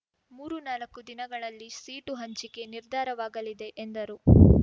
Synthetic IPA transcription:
muːɾunaːlɐkːud̪inɐɡɐɭɐlːisiːʈuɦɐɲt͡ʃike̞niɾd̪ʱaːɾɐʋaːɡɐlid̪e̞ʔend̪ɐɾu

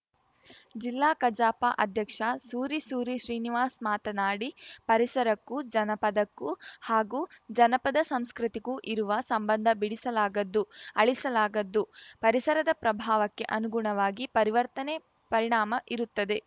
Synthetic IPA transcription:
d͡ʒilːaːkɐd͡ʒaːpɐ̰ʔɐd̪ʱjɐkʂɐsuːɾisuːɾiʃɾiːniʋaːsmaːt̪ɐnaːɽipɐɾisɐɾɐkːud͡ʒɐnɐpɐd̪ɐkːuhaːɡuːd͡ʒɐnɐpɐd̪ɐsɐmskɾit̪iɡuʔiɾuʋɐsɐmbɐnd̪ʱɐbiɽisɐlaːɡɐd̪ːuɐɭisɐlaːɡɐd̪ːupɐɾisɐɾɐd̪ɐpɾɐbʱaːʋɐkːe̞̰ʔɐnuɡuɳɐʋaːɡipɐɾiʋɐɾt̪ɐne | pɐɾiɳaːmɐʔiɾut̪ːɐd̪e̞

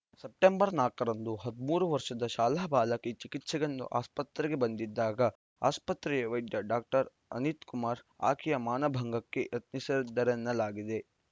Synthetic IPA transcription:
sep̚ʈembɐɾnaːkɐɾɐnd̪uɦɐd̪umuːɾuʋɐɾʃɐd̪ɐʃaːlɐɐbaːlɐket͡ʃikit̪sɐɡɐnd̪ṵʔaːspɐt̪ɾɛɡe̞bɐnd̪id̪ːaːɡɐ | a̰ːspɐt̪ɾɛeʋɐjɖ̪jɐɖaːk̚ʈɐɾ | ɐ̰nit̪kumaːɾa̰ːkʰijɐmaːnɐbʱɐŋɡɐkːe̞̰ʔɐt̪nisɐɾid̪ːɐɾɛnːɐlaːɡid̪e̞

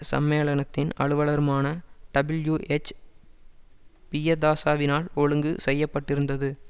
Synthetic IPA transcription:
sɐ̰mːeːɭɐnɐt̪ːɪnɐ̰ɭɯʋɐɭɐɾɯmaːnɐɖɐbɪljuːʔet͡ʃː | pijɐd̪aːsaːʋɪnaːlɔɻɯŋɡɯsɛjːɐpːɐʈːɪɾɯnd̪ɐðɯ

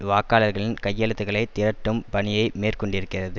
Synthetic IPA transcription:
ʋaːkːaːlɐɾɣɐɭɪnkɐjːɐlɯt̪ːɯɣɐɭɐɪt̪ɪɾɐʈːɯmpɐɳɪjɐɪmeːrkɔɳɖɪɾɯkːɪrɐðɯ

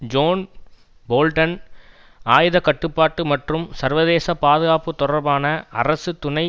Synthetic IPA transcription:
d͡ʒoːn | boːlʈɐn | aːjðɐkɐʈːɯpːaːʈːɯmɐʈrɯmsɐɾʋɐðeːsɐpaːðɯɣaːpːɯt̪ːɔɽɐɾbaːnɐʔɐ̰rɐsɯt̪ʊnɐɪ

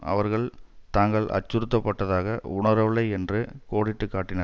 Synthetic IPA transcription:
ɐ̰ʋɐɾɣɐɭt̪aːŋɡɐɭɐ̰t͡ʃːʊɾɯt̪ːɐpːɐʈːɐðaːɣɐʊɳɐɾɐʋɭɐɪɛndrɯkoːɽɪʈːɯkːaːʈːɪnɐɾ

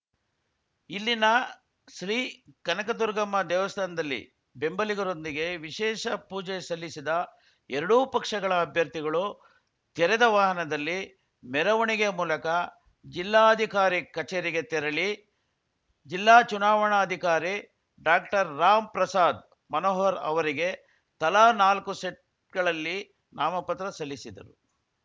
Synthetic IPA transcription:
ilːinɐ | ʃɾiːkɐnɐkɐd̪uɾɡɐmːɐd̪ɛːʋɐst̪ʰaːnɐd̪ɐlːḭ | be̞mbɐliɡɐɾo̞nd̪iɡe̞ʋiʃɛːʃɐpuːd͡ʒesɐlːisid̪ɐ | ɛɾɐɽupɐkʂɐɡɐɭɐːbʱjɐɾt̪iɡɐɭu | t̪ɛɾɛd̪ɐʋaːɦɐnɐd̪ɐlːi | mɛɾɐʋɐɳiɡemuːlɐkɐ | d͡ʒilːaːɐd̪ʱikaːɾikɐt͡ʃeːɾiɡe̞t̪ɛɾɐɭi | d͡ʒilːaːt͡ʃunaːʋɐɳaɐd̪ʱikaːɾi | ɖaːk̚ʈɐɾːaːmpɾɐsaːd̪ | mɐnɔːɦɐɾɐ̰ʋɐɾiɡe̞ | t̪ɐlaːnaːlkuseʈ̚ | ɡɐɭɐlːi | naːmɐpɐt̪ɾɐsɐlːisid̪ɐ̰ɾu

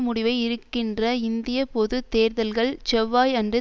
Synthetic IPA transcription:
mʊɽɪʋɐɪɪɾɯkːɪndrɐɪnd̪ɪjɐpɔðɯt̪eːɾðɐlɣɐɭt͡ʃɛʋːaːjɐndrɯ

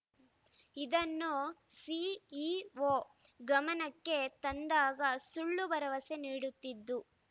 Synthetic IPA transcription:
id̪ɐnːusiiʋoːɡɐmɐnɐkːe̞t̪ɐnd̪aːɡɐsuɭːubɐɾɐʋɐse̞niːɽut̪ːid̪ːu

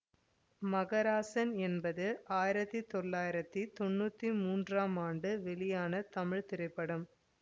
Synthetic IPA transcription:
mɐɣɐɾaːsɐnɛnbɐðɯʔaːjɪɾɐt̪ːɯt̪ɔɭːaːjɪɾɐt̪ːit̪ɔnːuːt̪ːimuːndraːmaːɳɖɯʋɛɭɪjaːnɐt̪ɐmɪɻt̪ɪɾɐɪpːɐɽɯm

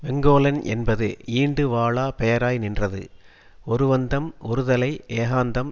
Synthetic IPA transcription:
ʋɛŋɡoːlɐnɛnbɐðɯiːɳɖɯʋaːɭaːpɛjɐɾaːjnɪndrɐðɯ̰ | ɔɾɯʋɐnd̪ɐmɔɾɯðɐlɐɪʔeːɣaːnd̪ɐm

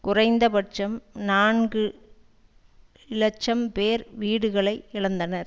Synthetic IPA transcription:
kʊrɐɪnd̪ɐpɐʈ̚t͡ʃɐmnaːnɡɯ | ɪlɐt͡ʃːɐmpeːɾʋiːɽɯɣɐɭɐɪɪɭɐnd̪ɐnɐɾ

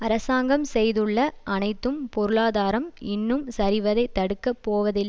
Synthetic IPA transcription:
ɐɾɐsaːŋɡɐmsɛjðɯɭːɐʔɐnɐɪt̪ːɯmpɔɾɯɭaːðaːɾɐmɪnːɯmsɐɾɪʋɐðɐɪt̪ːɐɽɯkːɐpːoːʋɐðɪlːɐ

